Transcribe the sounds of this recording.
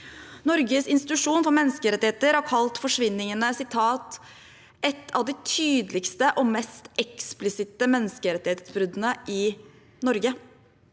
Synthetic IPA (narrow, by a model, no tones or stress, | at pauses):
nɔɾɡəsɪnst̪ɪt̪ʉʂuːnfɔɾmɛnːəskəɾɛt̪ːɪheːt̪əɾhɑɾkʰɑlt̪fɔʂʋɪnːɪŋənəsɪt̪ʰɑːt̪ | ɛt̪ʰːɑʋd̪ɪt̪ʰyːd̪əlɪkst̪əʔɔmɛst̪ɛksplɪsɪt̪əmɛnːəskəɾɛt̪ːɪheːt̪sbɾʏd̪ənəʔɪ | nɔɾɡə